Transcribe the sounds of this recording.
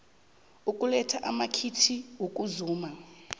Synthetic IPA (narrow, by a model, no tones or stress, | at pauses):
ukʼulɛtʰaʔamakʰitʰiɦukʼuzuːma